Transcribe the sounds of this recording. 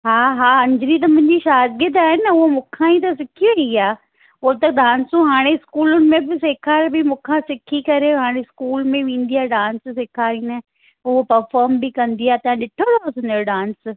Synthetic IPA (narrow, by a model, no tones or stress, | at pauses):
ɦaːɦaːɐ̃ɲd͡ʑɪɾit̪̬ɐmʊ̃ɦɪ̃ɲd͡ʑiʃaːd̪ɡɪd̪aːɦɪnʊɦomʊ̃kʰãit̪̬ɐs̬ɪkʰieiaː | ʊɦot̪ɐɗaːnsũɦaːɽ̃eɪskuːlʊnɪ̆mẽbɪseːkʰaːɾbɪmʊ̃kʰãsɪkʰikɐɾeɦaːɽ̃eɪskuːlmẽʋẽːn̆d̪iaːɖãːnssɪkʰaːɾĩnɐ | ʊɦopɐɾfɔːɾmbɪkɐ̃nd̪iaːt̪ɐ̃ãɗɪʈʰəd̪osɪ̃neɖãːns